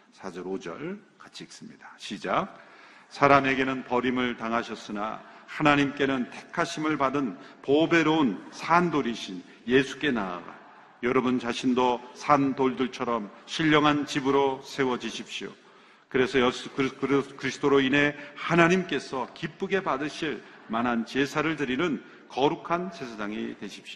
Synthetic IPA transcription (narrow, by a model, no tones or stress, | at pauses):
sʰad͡ʑʌɾod͡ʑʌ̰ɭ | kat͡ɕʰiːk̚s͈ɯmɲid̥ḁɕʰid͡ʑak̚sʰaɾame̞ɡe̞nɯnpʌɾimɯɭtaŋɦaɕʰʌs͈ɯna̰hanaɲimk͈e̞nɯntʰe̞̥kʰaɕʰimɯɭpadɯnpobe̞ɾounsʰandoɾiɕʰin | je̞sʰu̥k͈e̞naa̰ɡa̰ | jʌɾʌbunt͡ɕaɕʰindosʰandoɭdɯɭt͡ɕʰʌɾʌmɕʰiʎːʌŋɦant͡ɕibɯɾosʰe̞wʌd͡ʑiɕʰip̚ɕ͈io̰ | kɯɾe̞sʰʌjʌskkɾkɯɾisʰɯ̥tʰoɾoinɦe̞hanaɲimk͈e̞sʰʌkip͈uɡe̞padɯɕʰiɭ | manɦant͡ɕe̞sʰaɾɯɭtɯɾinɯn | kʌɾukʰansʰesʰasʰaŋḭtwe̞ɕʰi̥pɕ͈io